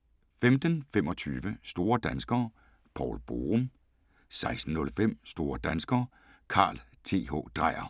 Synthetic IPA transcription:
femd̥ənfem̰ɒ̽t͡sʰyːʋəsd̥o̝ːɐd̥ænsɡ̥ɐː | pʰɒ̰ːlb̥o̝̰ːʁɔm | sɑ̈ɪsd̥n̩ːɔ̽lfem̰sd̥o̝ːɐd̥ænsɡ̥ɐː | kʰɑ̰̈ːl | t͡sʰe̝̰ːɦɔ̰ːd̥ʁɑ̈ɪ̰ɐ

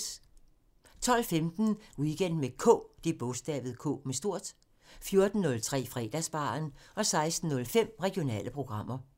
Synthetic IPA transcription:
t͡sʰɒ̽l̰femd̥n̩wiɡ̥en̰d̥mekʰɔ̰ːd̥e̝b̥ɔ̽sd̥ɛ̰ːʋð̞̩ˠkʰɔ̰ːmesd̥o̝ɐ̰d̥ | fjo̝ɐd̥n̩ːɔ̽lt͡sʰʁɛ̰ːfʁɛ̰ːd̥æsb̥ɑ̰̈ːnɒ̽sɑ̈ɪsd̥n̩ːɔ̽lfem̰ʁɛɡ̥ijo̝nɛ̰ːləpʰʁo̝ɡ̥ʁɑ̈m̰ɐ

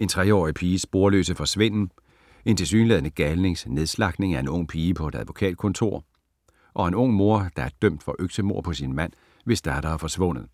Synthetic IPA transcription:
e̝nt͡sʰʁɛɒ̰ːipʰiːsb̥o̝ːɐlø̰ːsəfɒ̽sʋen̰n̩ | e̝nt͡sʰe̝lsyːnlɛðˠənəɡ̥ælne̝ŋsne̝ðˠslɑ̈ɡ̥ne̝ŋæɐe̝nɔ̽ŋ̰pʰiːəpʰɒ̽e̝d̥æðʋo̝kʰɛ̰ːd̥̚kʰɔ̽nt͡sʰo̝̰ɐ̰ | ʔɒ̽e̝nɔ̽ŋ̰mo̝ɐd̥ɑ̈æɐd̥øm̰d̥fɒ̽ʔøɡ̥səmo̝ɐ̰pʰɒ̽sinmæn̰ | ʋe̝sd̥ɑɐɾ̥ɐːfɒ̽sʋɔ̽n̰ð̩ˠ

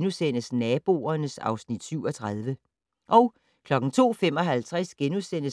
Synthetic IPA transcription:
nusen̰əsnɛːb̥o̝̰ːɐnəsɑ̈ʊsnid̥syʊɒ̽t͡sʰʁað̞ˠʋə | ʔɒʊ | kʰlɒ̽ɡ̥ŋ̩t͡sʰo̝̰ːfem̰ɒ̽ɦælt͡sʰʁasɡ̥enusen̰əs

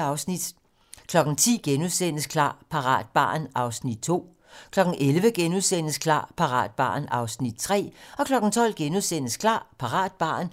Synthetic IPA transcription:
ɑʊsnid̥ | kʰlɒ̽ɡ̥n̩t͡sʰḭːɡ̥enuðˠsenəskʰlɑ̰̈ːpʰɑ̈ʁɑ̰̈ːd̥̚b̥ɑ̰̈ːnɑ̈ʊsnid̥̚t͡sʰo̝̰ː | kʰlɒ̽ɡ̥n̩ʔelʋəɡ̥enuðˠsen̰əskʰlɑ̰̈ːpʰɑ̈ʁɑ̰̈ːd̥̚b̥ɑ̰̈ːnɑ̈ʊsnid̥̚t͡sʰʁɛ̰ːɒ̽kʰlɒ̽ɡ̥n̩t͡sʰɒ̽l̰ɡ̥enuðˠsen̰əskʰlɑ̰̈ːpʰɑ̈ʁɑ̰̈ːd̥̚b̥ɑ̰̈ːn

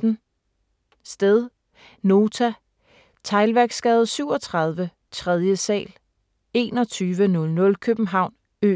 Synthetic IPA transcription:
n̩ | sd̥eðˠ | no̝ːt͡sʰæ | t͡sʰɑ̈ɪlʋæɐɡ̥sɡ̥ɛːð̞̩ˠsyʊ̰ɒ̽t͡sʰʁɑð̞ˠʋə | t͡sʰʁɛðˠjəsɛ̰ːl | e̝̰ːnɒ̽t͡sʰyːʋənɔ̽lnɔ̽lkʰøb̥m̩ɦɑ̈ʊ̰n | ø̰

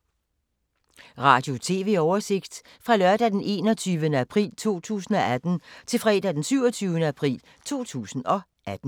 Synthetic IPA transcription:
ʁɑ̰̈ːd̥jo̝t͡sʰe̝̰ːʋe̝̰ːɒʊɐse̝ɡ̥d̥ | fʁɑ̈lɶɐd̥æd̥enʔe̝ːnɒt͡sʰyːʋənəæpʰʁḭːlt͡sʰo̝̰ːt͡sʰṵːsn̩ɒ̽æd̥n̩t͡sʰe̝lfʁɛ̰ːd̥æd̥ensyʊɒt͡sʰyːʊənəæpʰʁḭːl | t͡sʰo̝̰ːt͡sʰṵːsn̩ɒ̽ | ʔæd̥n̩

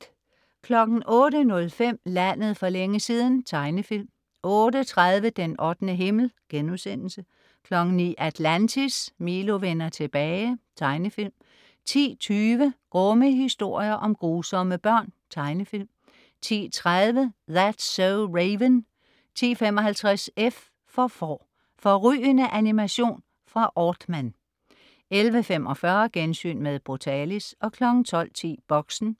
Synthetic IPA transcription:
kʰlɒ̽ɡ̥n̩ʔɔ̽ːɾənɔ̽lfem̰læn̰əð̞̩ˠfɒ̽leŋəsiːðˠn̩t͡sʰɑ̈ɪnəfil̰m | ɔ̽ːɾət͡sʰʁað̞ˠʋəd̥enʔɒ̽d̥nəɦe̝ml̩ɡ̥enusen̰l̩sə | kʰlɒ̽ɡ̥n̩nḭːʔæd̥lænt͡sʰismiːlo̝ʋenɐt͡sʰe̝b̥ɛːɪt͡sʰɑ̈ɪnəfil̰m | t͡sʰḭːt͡sʰyːʋəɡ̥ʁɔməɦisd̥o̝ɐ̰jɐʔɒ̽mɡ̥ʁuːsɒ̽məb̥ɶɐ̰nt͡sʰɑ̈ɪnəfil̰m | t͡sʰḭːt͡sʰʁaðˠʋəðæd̥soʊʁeɪʋən | t͡sʰḭːfemɒ̽hælt͡sʰʁasef | fɒ̽fɒ̰ | fɒ̽ʁy̰ːənəʔænimæɕo̝̰ːn | fʁɑ̈ʔɒːd̥mæn | elʋəfem̰ʔɒ̽fɶɐɡ̥ensy̰ːnmeðˠb̥ʁot͡sʰɛːlisɒ̽kʰlɒ̽ɡ̥n̩t͡sʰɒ̽l̰t͡sʰḭːb̥ɒ̽ɡ̥sn̩

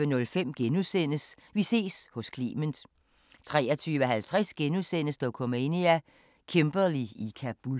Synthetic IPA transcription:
ənɔ̽lfem̰ɡ̥enusen̰əs | ʋise̝̰ːshɔ̽skʰlḭːmən̩ˠ | t͡sʰʁɛ̰ːɐt͡sʰyːʋəɦælt͡sʰʁasɡ̥enusen̰əsd̥ɒkʰɔmeniæ | kʰemb̥ɐliikʰæb̥ul

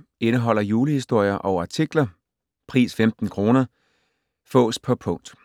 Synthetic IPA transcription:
enəɦɒ̽l̰ɐjuːləhisd̥o̝ɐ̰jɐʔɒʊɐɑ̈t͡sʰiɡ̥lɐ | pʰʁḭːsfemd̥n̩kʰʁo̝ːnɐ | fɔ̰̽ːspʰɒ̽pʰɔ̽ŋ̰d̥

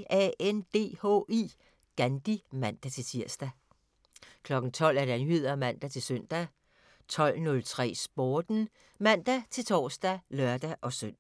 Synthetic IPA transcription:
ɛend̥e̝̰ːho̰ːi | ɡ̥ænd̥imæn̰d̥æt͡sʰe̝t͡sʰiɐsd̥æ | kʰlɒ̽ɡ̥n̩t͡sʰɒ̽l̰æɐd̥eænhyð̰ˠɐmæn̰d̥æt͡sʰe̝lsøn̰d̥æ | t͡sʰɒ̽l̰nɔ̽lt͡sʰʁɛ̰ːsb̥oːd̥n̩ | mæn̰d̥æt͡sʰe̝lt͡sʰɒ̰ːsd̥ælɶɐ̰d̥æʔɒ̽søn̰

